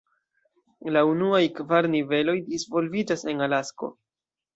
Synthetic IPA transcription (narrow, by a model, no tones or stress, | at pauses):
launuajkvaɾnive̞lo̞jdisvo̞lvid͡ʒase̞nalasko̞̰